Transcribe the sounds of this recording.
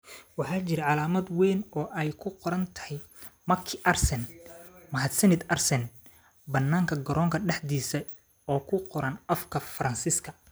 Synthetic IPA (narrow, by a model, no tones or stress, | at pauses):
wɑħɑːt͡ʃɪɾɐʕɑlaːmɐd̪wɛːnɔːʔɛjkʰʊqɔɾɐnt̪ʰɐ̥hɛj | mɐkʰːɪʔɐrsɛnmɐɦɐd̪sɐnɪd̪ɐrsɛn | bɐnːaːŋkʰɐɡɐɾɔːŋkʰɐɖɛħd̪iːsɐ | ɔːkʰʊqɔɾɐnɐfkʰɐfɐɾɐnsiːskʰɐ